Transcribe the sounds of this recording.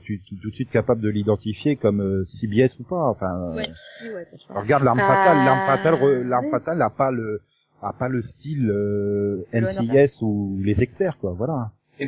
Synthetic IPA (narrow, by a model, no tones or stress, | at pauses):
t̪yt̪t̪ut̪sɥit̪̚kapabləd̪əlid̪ɑ̃t̪ifjekɔmøsibiɛsupaɑ̃fɛ̃ | ʁəɡaʁd̪laʁmfat̪alːaʁmfat̪alʁəlaʁmfat̪alapalə | apaləst̪ilø | ɛnsiɛsulezɛkspɛʁkwavwala